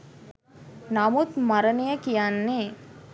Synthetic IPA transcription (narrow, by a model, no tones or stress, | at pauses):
namut̪mɐɾɐnijəkijanːeː